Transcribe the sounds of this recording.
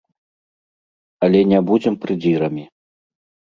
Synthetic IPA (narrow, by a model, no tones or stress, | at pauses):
ɐlʲɛnʲabud͡zʲɛmpɾɨd͡zʲiɾɐmʲi